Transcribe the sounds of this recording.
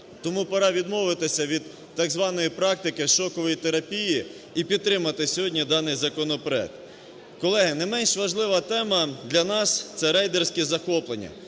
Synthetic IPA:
t̪ɔmupɐɾɑʋʲid̪mɔʋɪt̪ɪsʲɐʋʲid̪ː | ɑɡzʋɑnɔjipɾɑk̚t̪ɪkɪʃɔkɔʋɔjit̪eɾɐpʲiji | ipʲid̪̚t̪ɾɪmɐt̪ɪsʲɔɦɔdʲnʲid̪ɑnɪjzɐkɔnɔpɾɔɛ̰k̚t̪ | kɔlˠɛɦɪnɐmɛnʃʋɐʒlˠɪʋɐt̪ɛmɐd̪lʲɐnɑst̪sɛɾɛjd̪ersʲkɛzɐxɔplˠenʲːɐ̰

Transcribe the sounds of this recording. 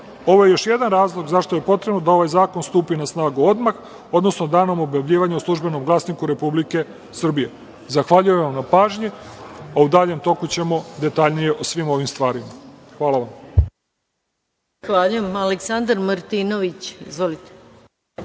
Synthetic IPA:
o̞ʋo̞jejo̞ʃje̞d̪anɾaːzlˠo̞ɡzaʃt̪oje̞po̞t̪ɾebnod̪ao̞ʋajzaːkonst̪uːpinasnaːɡuo̞d̪max | o̞d̪no̞sno̞d̪aːno̞mo̞bjaʋʎiːʋaɲeoslˠuʒbe̞no̞mɡlˠasnikuɾe̞publike̞ | sr̩bije̞ | zaxʋaʎujemʋamnapaːʒɲiaud̪aːʎe̞mt̪o̞kut͡ɕe̞mo̞d̪e̞t̪aʎnije̞ʔosʋimo̞ʋimst̪ʋaːɾimaxʋaːlaʋam | zaxʋaːʎujemaleksand̪aɾməɾt̪inoʋit͡ɕizʋolit̪e̥

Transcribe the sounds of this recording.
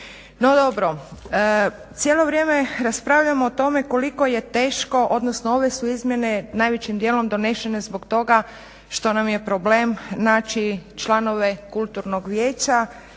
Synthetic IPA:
no̞d̪o̞bɾo̞ | t̪sjeːlˠo̞ʋɾʲjeːme̞ɾaspɾaːʋʎamoːt̪o̞me̞ko̞liko̞je̞t̪e̞ːʃko̞ʔod̪nosnoo̞ʋe̞suizmje̞ne̞naːjʋet͡ɕimd̪jeːlˠo̞md̪o̞ne̞ʃene̞zboɡt̪o̞ɡa | ʃt̪o̞namje̞pɾo̞ble̞mnaːt͡ʃit͡ʃlˠano̞ʋekulˠt̪uɾnoɡʋjeːt͡ɕa

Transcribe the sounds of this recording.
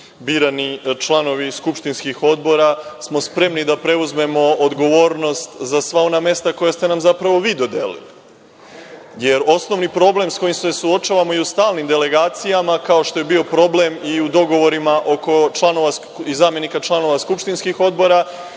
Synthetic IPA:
biːɾanit͡ʃlˠano̞ʋiskupʃt̪inskixo̞d̪bo̞ɾasmo̞spɾe̞mnid̪apɾe̞uzme̞mo̞od̪ɡo̞ʋo̞ːɾno̞st̪zasʋao̞name̞st̪ako̞jast̪e̞namzapɾaʋo̞ʋiːd̪o̞d̪elḭli | je̞ɾo̞sno̞ʋnipɾo̞ble̞msko̞jimse̞suo̞t͡ʃaːʋamoiust̪aːlˠnimd̪e̞le̞ɡaːt̪sijamakaoʃt̪o̞je̞bio̞pɾo̞ble̞miud̪o̞ɡo̞ʋo̞ɾimaʔo̞ko̞t͡ʃlˠano̞ʋas | izaːmje̞nikat͡ʃlˠano̞ʋaskupʃt̪inskixo̞d̪bo̞ɾa

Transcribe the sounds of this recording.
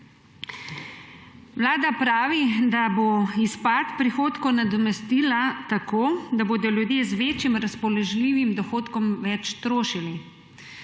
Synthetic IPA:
ʋlaːd̪apɾaːʋid̪aboispat̪pɾixoːt̪kɔnad̪ɔmɛst̪iːlat̪akoːd̪aboːd̪ɔljud̪jeːzʋeːt͡ʃjimɾaspɔlɛʒliːʋimd̪ɔxoːt̪kɔmʋɛt͡ʃt̪ɾoːʃili

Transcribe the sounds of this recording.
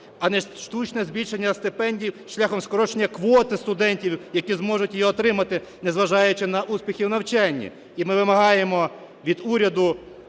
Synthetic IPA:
ɐnɛʃt̪ut͡ʃnɛzbʲilʲʃenʲːɐst̪ɪpɛnʲdʲiwʃlʲaxɔmskɔɾɔt͡ʃenʲːɐkʋɔt̪ɪst̪ʊd̪ɛnʲtʲiwjɐkʲizmɔʒʊtʲjjiɔt̪ɾɪmɐt̪ɪnɛzʋɐʒɑjʊt͡ʃɪnɐʔuspʲixʲiwnɐwt͡ʃɛnʲːḭ | imɪʋɪmɐɦɑjemɔ | ʋʲid̪uɾʲɐd̪ʊ

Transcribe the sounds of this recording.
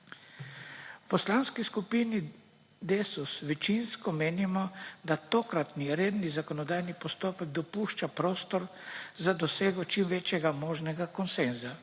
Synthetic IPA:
pɔslanskiskupini | d̪esusʋɛt͡ʃinskɔmeːnimɔd̪at̪oːkɾat̪niɾeːd̪nizakɔnɔd̪aːjnipɔst̪oːpɛɡ̚d̪ɔpuʃt͡ʃapɾoːst̪ɔɾ | zad̪ɔseːɡɔt͡ʃimʋeːt͡ʃjɛɡamɔːʒnɛɡakɔnsenza

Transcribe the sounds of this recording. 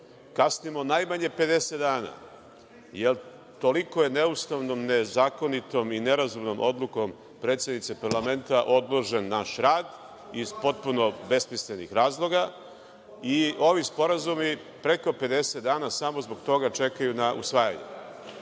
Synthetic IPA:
kasnimo̞najmaɲe̞pe̞d̪e̞set̪d̪aːna̰ | jel | t̪o̞liko̞je̞neust̪aʋnomne̞zaːko̞nit̪o̞mine̞ɾazumnomʔod̪lˠuko̞m | pɾet̪sjed̪nit̪sepaɾlˠame̞nt̪aʔo̞d̪lˠo̞ʒe̞nːaʃɾaːd̪ | iz̥po̞t̪̚puno̞be̞smislenḭxɾaːzlˠo̞ɡa | io̞ʋispo̞ɾazumi | pɾe̞ko̞pe̞d̪e̞set̪̚d̪aːnasamo̞zbo̞ɡt̪o̞ɡat͡ʃe̞kajunaʔṵsʋaja̰ɲṵ

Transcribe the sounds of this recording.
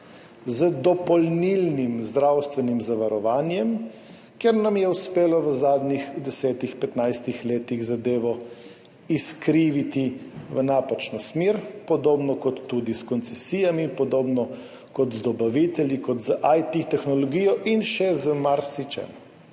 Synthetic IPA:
zəd̪ɔpɔlnilnimzd̪ɾawst̪ʋɛnimzaʋaɾɔʋaːnjɛm | keɾnamjɛuspeːlɔʋəzaːd̪nixd̪ɛsɛːt̪ixpɛt̪najst̪ixleːt̪iɣzad̪eːʋɔ | iskɾiːʋit̪iʋənaːpat͡ʃnɔsmeɾpɔd̪oːbnɔkɔt̪ːud̪iskɔnt̪sɛsiːjamiːnpɔd̪oːbnɔ | kɔt̪zd̪ɔbaʋit̪ɛljikɔt̪zəʔajt̪it̪ɛxnɔlɔɡiːjɔʔinʃɛzəmaɾsit͡ʃɛ̰m

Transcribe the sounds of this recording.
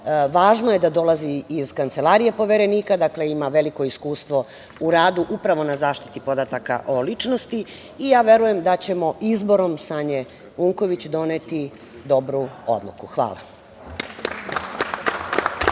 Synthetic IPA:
ʋaːʒnoje̞d̪ad̪o̞laziːz̥kant̪se̞lˠaɾije̞po̞ʋe̞ɾe̞niːkad̪akle̞imaʋe̞liko̞iskuːst̪ʋo̞ | uɾaːd̪uʔupɾaʋo̞nazaːʃt̪i̥t̪ipo̞d̪at̪aka̰ʔo̞lit͡ʃnost̪i | ijaːʋe̞ɾuje̞md̪at͡ɕe̞mo̞ʔizbo̞ɾo̞msaːɲe̞ | uŋko̞ʋit͡ɕd̪o̞net̪i | d̪o̞bɾuo̰d̪lˠṵkuxʋa̰ːla̰

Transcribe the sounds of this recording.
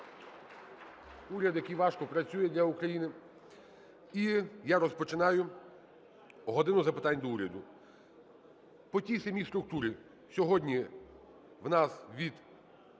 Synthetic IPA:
uɾʲɐd̪jɐkijʋɑʃkɔpɾɐt͡sʲujɛd̪ʲlʲɐukɾɐjinɪ | ijaɾɔspɔt͡ʃɪnɑjʊ | ɦɔd̪ɪnʊzɐpɪt̪ɑnʲːd̪ɔuɾʲɐd̪ʊ | pɔtʲijsɐmʲijst̪ɾʊk̚t̪uɾɪ | sʲɔɦɔdʲnʲi | wnɑsʋʲid̪

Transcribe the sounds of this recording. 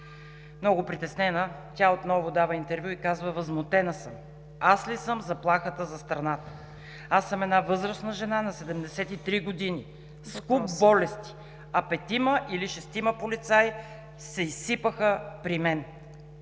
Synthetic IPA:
mnɔɡʊpɾit̪ɛsnɛnə | t̪ʲaot̪nɔvʊd̪avəint̪ɛɾvʲjuikazvəvəzmot̪ɛnəsəm | aslisəmzɐplˠaxət̪əzɐst̪ɾɐnat̪ə̥ | asːəmɛd̪navɤzɾəsnəʒɛnanɐsɛd̪ɛmd̪ɛsɛt̪it̪ɾiɡod̪ini | skupbɔlɛst̪i̥ | ɐpɛt̪iməʔiliʃɛst̪iməpolit̪saj | sɛisːipəxəpɾimɛn

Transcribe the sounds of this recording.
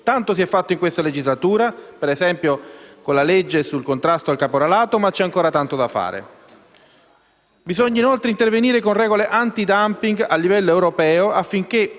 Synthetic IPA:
t̪ant̪osiɛfːat̪ːoiŋkwest̪aled͡ʒizlat̪uːɾapeɾezɛmpjokonlaled͡ʒːesulkont̪ɾast̪oalkapoɾalaːt̪omat͡ʃːɛaŋkoːɾat̪ant̪od̪afːa̰ːɾḛ | bizoɲːainolt̪ɾeint̪erveniːɾekonrɛːɡoleʔant̪id̪ampiŋɡalːivɛlːoewɾopɛːoafːiŋk̟e

